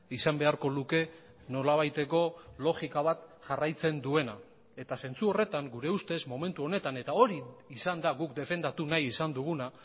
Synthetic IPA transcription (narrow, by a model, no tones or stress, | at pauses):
isambe̞aɾko̞luke̞ | no̞laβ̞ajt̪e̞ko̞lo̞ɣikaβat̪ʝarajt͡se̞nd̪ue̞na | e̞t̪ase̞nt͡suo̞re̞t̪aŋɡuɾe̞ust̪e̞zmo̞me̞nt̪uo̞ne̞t̪ane̞t̪ao̞ɾiːsand̪aɣukd̪e̞fe̞nd̪at̪unajisand̪uɣ̞una